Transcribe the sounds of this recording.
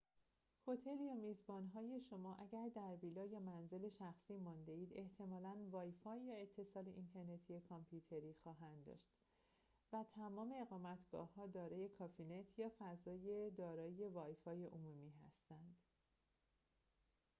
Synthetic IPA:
ho̞t̪ʰe̞ljɒːmiːzbɒːnɦɒːje̞ʃo̞mɒːʔæɟæɾd̪æɾbiːlɒːjɒːmænze̞le̞ʃæxsiːmɒːnd̪e̞iːd̪e̞ht̪ʰe̞mɒːlænvɒːjfɒːjːɒe̞t̪ʰːe̞sɒːleʔint̪ʰe̞ɾne̞t̪ʰijekʰɒmpʰjuːt̪ʰe̞ɾiːxɒːɦænd̪d̪ɒ̰ʃt̪ | væt̪ʰæmɒːme̞ːɣɒːmæt̪ʰɡ̥ɒ̰ːhɒːd̪ɒːɾɒːje̞kʰɒːfinet̪ʰjɒːfæzɒːje̞d̪ɒːɾɒːjevɒːjfɒːje̞ʔomumiːɦæst̪ænd̪̥

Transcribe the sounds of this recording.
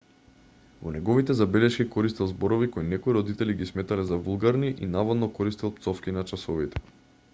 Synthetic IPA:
vɔnɛɡɔvit̪ɛzabɛlɛʃkikɔɾist̪ilˠzbɔɾɔvikɔjnɛkoiɾɔd̪it̪ɛliɡismɛt̪alɛzavulˠɡaɾniʔinavad̪nɔkɔɾist̪ilˠp̚t̪sɔfkinat͡ʃasɔvit̪ɛ̥

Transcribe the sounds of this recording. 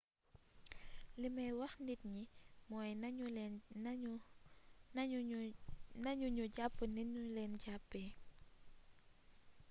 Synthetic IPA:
limɛjwɐxndit̚ɲimɔːjn | n | nɐɲuɲuɟapːəniɲulɛːnɟapːɛː

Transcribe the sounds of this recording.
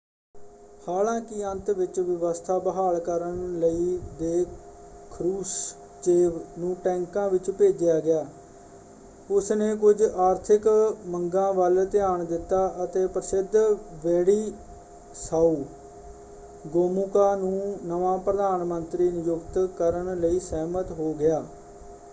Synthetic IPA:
haːlãːkɪənt̪ʋɪt͡ʃʋɪʋəst̪ʰaːbəɦaːɭkəɾənləiːd̪eː | kʰɾuːs | t͡ʃeːʋnũːʈɛ̃ːŋkãːʋɪt͡ʃpeːd͡ʒɪjaːɡɪjaː | ʊsneːkʊd͡ʒaːɾt̪ʰɪkməŋɡãːʋəlt̪ɪjaːɳd̪ɪt̪ːaːʔət̪eːpɾəsɪd̪ʋɛːɽiː | saːuː | ɡoːmukaːnũːnəʋãːpɾəd̪aːnmənt̪ɾiːnɪjʊkt̪kəɾəɳləiːsɛːmət̪ɦoːɡɪaː

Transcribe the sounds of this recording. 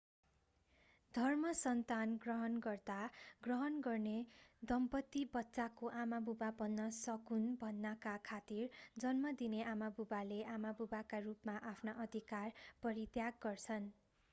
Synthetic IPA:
d̪ʱʌrmʌsʌnt̪anɡrʌɦʌnɡʌrt̪aɡrʌɦʌnɡʌrned̪ʌmpʌt̪ːibʌtːsakoʔamabubabʌnːʌsʌkunbʱʌnːʌkakʰat̪ird͡zʌnmʌd̪ineʔamabubaleʔamabubakarupmaʔapʰnaʔʌd̪ʱikarpʌɾit̪jaɡːʌrt͡sʰʌn

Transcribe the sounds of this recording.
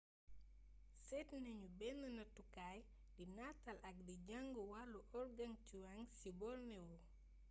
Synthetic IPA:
sɛtneɲubɛnːɐnɐtukaj | dinatalʔak̚diɟaŋɡuwalːuʔɔɾɡaŋtiwaŋsibɔlnɛwɔ

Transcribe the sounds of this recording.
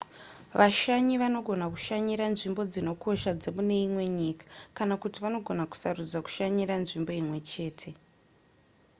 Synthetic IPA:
ʋaʃaɲiʋano̞ɡʱo̞naku̥ʃaɲiɾanʐimbo̞d͡zino̞kʰo̞ʃad͡ze̞mune̞imwe̞ɲikḁkanakutiʋano̞ɡʱo̞naku̥sarud͡zaku̥ʃaɲiɾanʐimbo̞imwe̞t͡ʃe̞ːtʰe̞

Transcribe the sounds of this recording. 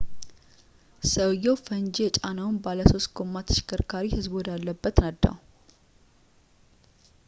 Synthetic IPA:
səwjɛwfənd͡ʒet͡ʃʼanawnbaləso̞st̪̚ɡo̞mːat̪ʰɨ̥ʃɪ̥kːɨɾkʰaɾihɨzbwɔd̪alːəbːət̪nəd̪ːa̰w

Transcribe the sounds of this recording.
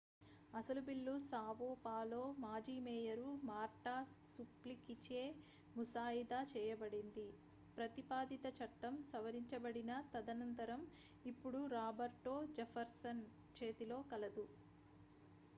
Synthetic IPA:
ɐsɐlubilːusaːʋoːpaːlo̞ːmaːd͡ʒiːmɛːjɐɾumaːɾʈaːsuplikit͡ʃe̞ː | musaːjid̪aːt͡ʃɛːjɐbɐɽind̪i | pɾɐt̪ipaːd̪it̪ɐt͡ʃɐʈːɐmsɐʋɐɾiɲt͡ʃɐbɐɽinɐt̪ɐd̪ɐnɐnt̪ɐɾɐm | ipːuɽuɾaːbɐɾʈoːd͡ʒɐfʰɐɾsɐn | t͡ʃe̞ːt̪ilo̞ːkɐlɐd̪u

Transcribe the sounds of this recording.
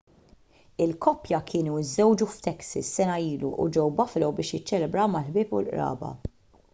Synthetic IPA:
ɪlkɔpjɐkʰɪːnuɪzɛwd͡ʒuft̪ɛksisːɛnɐiːlṵʔṵd͡ʒɛwbɐflɛwbɪːʃjɪt͡ʃːɛlɛbɾɐwmɐħbɪːpṵlʔɾɐ̰ːbɐ̰

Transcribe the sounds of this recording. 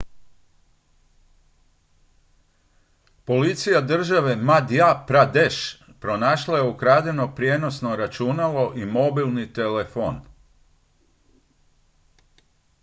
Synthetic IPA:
po̞lit̪sijad̪r̩ʒaʋe̞mad̪japɾad̪eʃ | pɾo̞naːʃlˠajeukɾaːd̪e̞no̞pɾjeːno̞sno̞ɾat͡ʃunalo̞ʔimo̞bilˠnit̪e̞lefo̞ːn

